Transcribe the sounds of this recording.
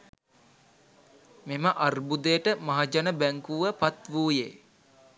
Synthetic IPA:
meməʔarbud̪ejəʈəmaɦad͡ʒanəbæŋkuʋəpat̪ʋuːjeː

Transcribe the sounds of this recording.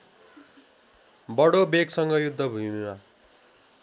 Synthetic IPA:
bʌɽobeɡsʌŋɡʌjud̪ʱːʌbʱumiwa

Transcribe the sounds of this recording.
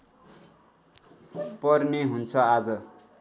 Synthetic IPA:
pʌrneɦunt͡sʰʌad͡zʌ

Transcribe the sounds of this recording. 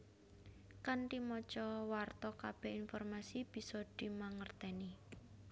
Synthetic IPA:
kant̪imɔt͡ʃɔwart̪ɔkab̥ɛ̤hinfɔrmasib̥i̤sɔd̪̥i̤maŋərt̪ɛni

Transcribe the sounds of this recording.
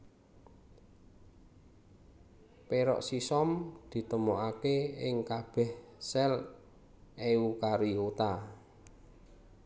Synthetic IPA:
peɾɔ̰ʔsisɔmd̪̥i̤t̪əmoʔakeɪ̰ŋkab̥ɛhsɛl | eukaɾiot̪a

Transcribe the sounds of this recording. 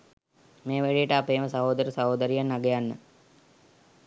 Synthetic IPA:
meːʋæɽijəʈəapeːməsɐɦoːd̪əɾəsɐɦoːd̪əɾijanːaɡejanːə̰

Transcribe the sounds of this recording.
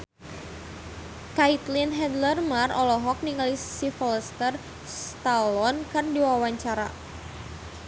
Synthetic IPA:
kait̪linɦɛd̪lərmarɔlɔɦɔk̚niŋalissifɔləst̪ər | st̪alɔnkɨrndiwawaɲt͡ʃaɾa̰

